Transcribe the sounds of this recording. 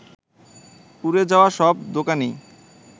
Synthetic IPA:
puɾed͡ʑaoaʃɔbd̪okani

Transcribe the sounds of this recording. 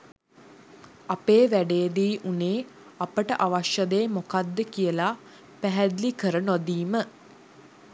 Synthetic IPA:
apeːʋæɖejːd̪iːʔuneː | apəʈəʔaʋaʃjəd̪eːmokad̪ːəkijəla | pæɦæd̪likəɾənod̪iːmə

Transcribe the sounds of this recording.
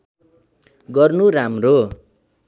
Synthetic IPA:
ɡʌrnuramro

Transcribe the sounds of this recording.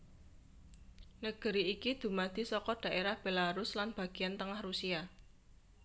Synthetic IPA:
nəɡ̥ə̤ɾiːkid̪̥ṳmad̪̥i̤sɔkɔd̪̥a̤ʔeɾahb̥e̤laɾʊslanb̥ä̤ɡ̥i̤ant̪əŋahrusia

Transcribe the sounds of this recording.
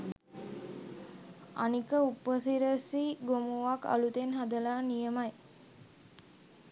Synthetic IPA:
a̰nikəupəsiɾəsiɡomuʋaka̰lut̪enɦad̪əlaːnijəmaj

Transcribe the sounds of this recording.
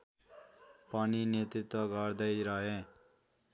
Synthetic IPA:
pʌninet̪ɾit̪wʌɡʱʌɾd̪ʌjɾʌɦẽ

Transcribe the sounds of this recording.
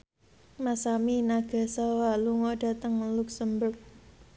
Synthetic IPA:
masaminaɡ̥a̤sawaluŋɔɖ̥a̤t̪əŋluksəmbʊrk̚

